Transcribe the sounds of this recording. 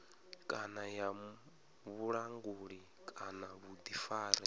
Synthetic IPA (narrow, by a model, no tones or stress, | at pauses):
kʼanaja | βuɺaŋɡuːɺi | kʼanaβud̪ifaːɾɛ